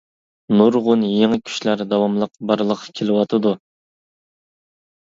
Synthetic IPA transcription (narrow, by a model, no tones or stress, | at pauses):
nuɾʁʊnjeŋɨkʲʰy̥ʃlæɾd̪ɑwɑmlˠəq̚bɑɾlˠəqʰːkʲʰelɪwɑt̪ʰɨd̪u